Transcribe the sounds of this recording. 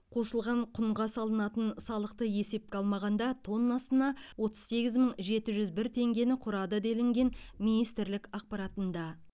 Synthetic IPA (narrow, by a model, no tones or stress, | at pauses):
qʰo̞səlˠʁɑɴqʰʊɴʁɑsɑlˠənɑt̪ənsɑlˠəq̚t̪əje̞se̞p̚kʲeɑlˠmɑʁɑnd̪ɑt̪ʰo̞nːɑsənɑwo̞t̪əz̥se̞ɡʲɪzməɴʒe̞t̪ɪʒʏzbɪɾt̪ʰe̞ŋɡʲe̞nɪqʰʊɾɑd̪əd̪elɪŋɡʲe̞nminijst̪ɪɾlɪkɑq̚pɑɾɑt̪ənd̪ɑ